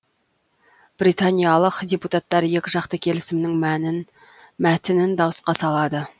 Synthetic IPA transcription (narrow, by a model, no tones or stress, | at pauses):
b̥rijt̪anʲijalˠəqd̪ʲeput̪at̪ːɑɾje̞kʲɪʒɑqt̪əkʲʰe̞lɪsɪmnɪŋm | mæt̪ɪnɪnd̪ɑwəsqɑsɑlˠɑd̪ə